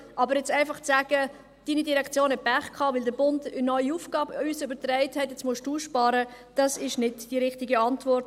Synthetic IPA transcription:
ʔɑbəɾjɛt͡saɪfɑχt͡saːɡ̥ə | d̥iːnidiɾɛkt͡sjoːnɛt̚b̥æχkʰɑːʋɪldəbʊndənɔʏuːfɡ̥ɑːbəysʏbəɾtrɛɪthɛtjɛt͡smʊʃd̥uːʃpɑːɾə | d̥ɑsɪʃnɪdd̥iɾɪχtɪɡəɑntvɔrt

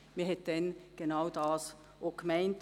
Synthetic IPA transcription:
miːɐɦɛt̚d̥ɛnɡ̥enaʊdɑːs | oɡ̥mɛɪnt

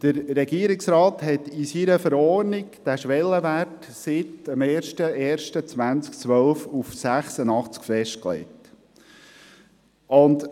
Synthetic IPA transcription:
d̪̥əɾɾɛɡ̥iəɾɪksɾɑːthɛt̪isiɾəfəɾɔːɾnɪkd̥æʃʋɛlːəʋærtsɪtəmeːɾʃtəeːɾʃtət͡sʋænt͡skt͡sʋœlfufsæχsənɑχt͡skfɛʃt̚klḛɪt | ʔʊnt̪

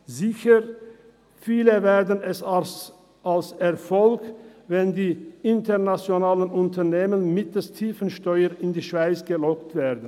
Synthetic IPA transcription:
zɪçə | fiːləveːɐdən̩ɛs | alsɛɐfɔlkvɛndiːʔɪntʰənat͡sjonaːlənʔʊntʰɐneːmənmɪtəstʰiːfən̩ʃtɔʏənɪndiːʃv̥aɪt͡sɡ̥əlɔktv̥eːdən̩

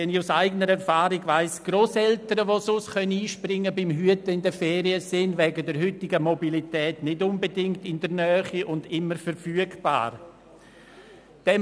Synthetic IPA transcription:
ɛnɪusaɪɡənəɾɛɾfaːɾiɡvaɪsɡ̥ɾoːsɛltəɾəʋososkœnəniːʃprɪŋːəbɪmɦyətəɪndɛfɛːɾiəsɪnvɛːɡədɛɾɦʏtɪɡəmobilitɛːtnɪdʊnbedɪŋktɪndənœːχiʔʊndɪməɾfəɾfyːəɡb̥a̰ːɾ | d̥ɛ

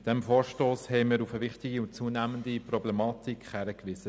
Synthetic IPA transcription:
d̥ɛmfoːɾʃtoːshɛɪməɾufəʋɪχtɪɡiʊnt̚t͡suːnæːməndiprɔblɛmɑt̪ikχhæɾəkʋɪz̥ə

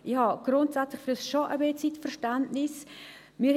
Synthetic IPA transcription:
ʔɪhɑɡ̥ɾʊntsat͡slɪχfyɾɛsʃoʔəbeːt͡sitfɛɾʃtantnɪs | mɪ

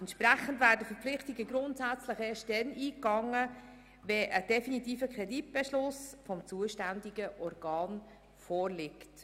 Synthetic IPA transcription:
ɛntʃpɾæχəndvæːɾdəfəɾpflɪχtiɡəɡɾʊntsæt͡sləχeːʃtdɛniːkɑŋːə | ʋɛʔəd̥ɛfinitiːfəkʰʁɛdit̚b̥ɛʃlʊsfɔmt͡suəʃtændiɡəʔɔrɡ̥ɑːn | fɔːrlɪkt

